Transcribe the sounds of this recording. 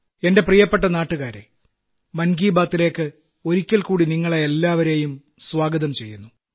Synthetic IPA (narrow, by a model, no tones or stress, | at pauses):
e̞nde̞prijɐpːe̞ʈːɐnaːʈːuɣaːɾḛ | mɐnɡiːbaːt̪ːile̞ːkːɨ | o̞ɾikʲːɐlkuːɽiniŋːɐɭeelːaːʋɐɾe̞ːjum | swaːɡɐðɐmt͡ɕe̞jːunːu